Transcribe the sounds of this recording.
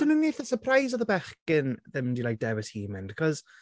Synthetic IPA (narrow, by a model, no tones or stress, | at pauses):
d̥ənunːijθəsəpʰrajzɔðəbɛχkɪnðɛmdilajk̚d̥ɛwɪshiːmɪnd̥kʰɔz̥